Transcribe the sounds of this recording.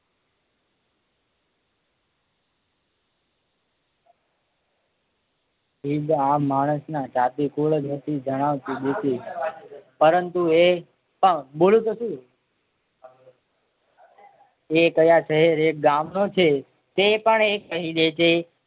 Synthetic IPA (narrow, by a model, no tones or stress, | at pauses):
ɦidamːaɽ̃əsnat͡ʃat̪ikoɭəd͡ʒnət̪ʰid͡ʒʱəɽ̃aʋt̪iɗ̪ese | pəɾənt̪ue | pəɳbolũt̪əsu | ekəjaʃəɦeɾek̚ɡamnot͡ʃʰe | t̪epəɳekːəɦiɗ̪et͡ʃʰe